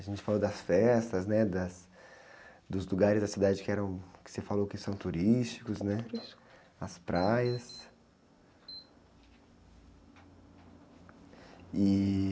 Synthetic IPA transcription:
ɐʒẽnt͡ʃɪ̥falod̪ɐsfɛst̪ɐznɛd̪ɐs | d̪ʊzluɡaɾɪzd̪ɐsid̪ad͡ʒɪkɪɛɾɐ̃w̃kɪ̥sefalowkɪsɐ̃w̃t̪uɾist͡ʃi̥kʊznɛ | ɐspɾajɐs | ɪ

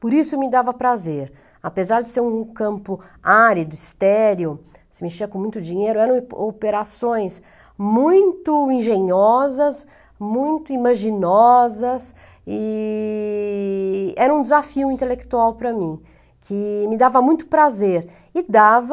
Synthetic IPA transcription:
poɾisʊmɪd̪avɐpɾazeɾ | apezaɾd͡ʒɪseɾũkɐ̃mpʊaɾid̪ʊist̪ɛɾjʊ | sɪmet͡ʃiɐkõmũj̃t̪ʊd͡ʒĩɲejɾʊɛɾɐ̃w̃opeɾasõj̃s | mũj̃t̪ʊĩʒẽɲɔzɐs | mũj̃t̪ʊimaʒinɔzɐs | ɪ | ɛɾɐ̃ũd̪ɪzafiʊĩnt̪elekt̪uawpɾɐmĩ | kʰɪmɪd̪avɐmũj̃t̪ʊ̥pɾazeɾ | ɪd̪av

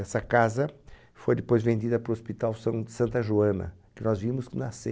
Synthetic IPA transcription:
ɛsɐkazɐ | fojd̪ɪpojzvẽnd̪id̪ɐpɾʊospit̪awsɐ̃d̪sɐ̃nt̪ɐʒuɐ̃nɐ̰kɪnɔzvimʊsknɐsḛ

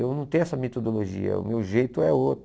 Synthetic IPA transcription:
ewnɐ̃w̃t̪ẽj̃ɛsɐmet̪od̪oloʒḭɐ̰ʊ̰mewʒejt̪ʊɛot̪

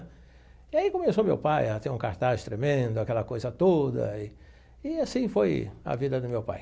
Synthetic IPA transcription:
ɪaikõmesomḛwpajɐt̪ẽɾũkaɾt̪ast̪ɾemẽnd̪ʊakɛlɐkojzɐt̪od̪ɐ̰ɪ | ɪasĩfojɐ̰vid̪ɐd̪ʊmewpa̰j

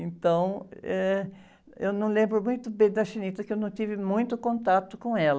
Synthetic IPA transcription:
ẽnt̪ɐ̃w̃ɛ | ewnɐ̃w̃lẽmbɾʊmũj̃t̪ʊbẽd̪ɐʃĩnit̪ɐkɪewnɐ̃w̃t̪ivɪmũj̃t̪ʊkõnt̪at̪ʊkõɛlɐ

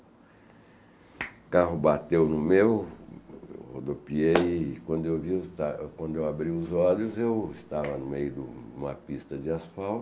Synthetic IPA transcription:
kaɦʊbat̪ewnʊmew | hod̪opiejkwɐ̃nd̪ʊewviʊt̪akwɐ̃nd̪ʊewabɾiʊzɔlʊzewɪst̪avɐnʊmejʊd̪ʊũmɐ̰pist̪ɐd͡ʒɪasfawt̪

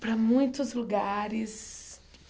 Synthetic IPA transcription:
pɾɐmũj̃t̪ʊzluɡaɾɪs

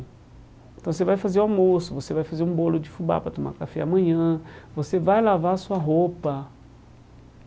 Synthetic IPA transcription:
ẽt̪ɐ̃w̃s̬evajfazeomosovosevajfazeɾũbolod͡ʒifuba̰pɾat̪omã̰kafea̰mɐ̃ɲɐ̃vosevajlavasuaɦopɐ

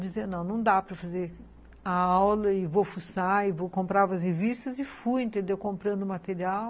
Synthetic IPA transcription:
d͡ʒizẽnɐ̃w̃nɐ̃w̃d̪apɾɐfazeɾ | ɐawlɐɪvofusaɪvokõmpɾavɐshevist̪ɐzɪfujẽnt̪ẽnd̪ewkõmpɾɐ̃nd̪ʊmat̪eɾiaw

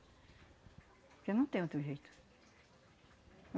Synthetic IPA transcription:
pknɐ̃w̃t̪ẽɲ̃ot̪eʒejt̪ʊ̥

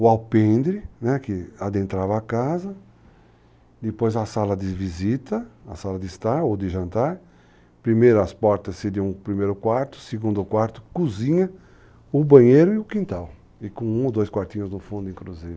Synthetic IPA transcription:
ʊawpẽnd̪ɾɪnɛkɪad̪ẽnt̪ɾavɐːkazɐ | d̪ɪpojzɐsalɐd̪ɪvizit̪ɐɐsalɐd̪ɪist̪aɾowd̪ɪʒɐ̃nt̪aɾ | pɾimejɾɐɐspɔɾt̪ɐsːediɐ̃pɾimejɾʊkwaɾt̪ʊ̥seɡũnd̪ʊkwaɾt̪ʊkuzĩɲɐ | ʊbɐ̃ɲejɾʊɪʊkĩnt̪aw | ɪkõũod̪ojskwaɾt̪ĩɲʊznʊfũnd̪ʊẽkɾuzeɾ

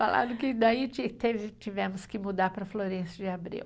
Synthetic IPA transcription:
falã̰d̪ʊkɪd̪ait͡ʃit̪evɪt͡ʃivɛmʊskɪmud̪aɾpɾɐfloɾẽsʊd͡ʒɪabɾḭw

